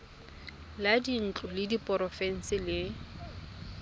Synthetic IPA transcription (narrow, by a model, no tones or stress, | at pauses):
ladin̩t͡ɬʼʊlɪdipʼɔɾɔfɛn̩sɪlɪ